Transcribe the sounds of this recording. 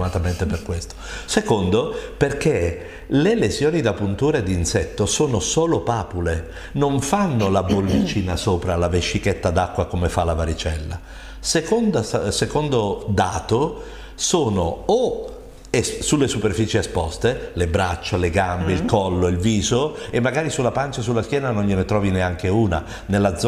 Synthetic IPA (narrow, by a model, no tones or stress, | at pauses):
mat̪ament̪eperkwest̪o̥sekond̪operk̟e | lelesjoːnid̪apːunt̪uːɾed̪ːinsɛt̪ːosoːnosoːlopaːpule | noɱfanːolabolːit͡ʃiːnasoːpɾalaveʃːiket̪ːad̪akːwakomefalavaɾit͡ʃɛlːa̰ | sekond̪assekond̪od̪aːt̪o | soːnoː | essulːesuperfiːt͡ʃieespɔst̪elebɾat͡ʃːaleɡambeilkɔlːoilviːzoemːaɡaːɾisulːapant͡ʃasulːask̟jɛːnanonʎenet̪ɾɔːvineaŋk̟euːna̰ | nelːad̪z